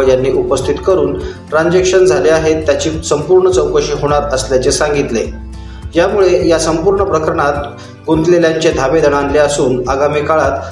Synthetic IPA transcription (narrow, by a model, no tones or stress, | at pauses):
janːiːʔupəst̪ʰit̪kəɾuːnʈ̪ɾãɲd͡zekʂənd͡zʱaleaɦet̪ːjat͡ɕiːsəmpuɾɳət͡səwkəɕiːɦoɽ̃aɾəsljat͡sesaŋɡit̪le | jamuɭejasəmpuɾɳəpɾəkəɾəɳat̪ | ɡunt̪leljaɲt͡ɕed̪ʱaʋed̪ʱəɳ̃anleasuːnaɡamiːkaɭat̪